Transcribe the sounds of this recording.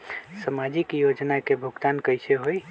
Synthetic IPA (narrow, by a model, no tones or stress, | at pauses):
səmad͡ʒikjod͡ʒnakebʱuɡt̪ankəjseɦoj